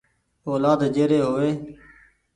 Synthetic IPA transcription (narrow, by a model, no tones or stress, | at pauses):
oːlaːd̪d͡ʒeːɾeːɦoːʋeː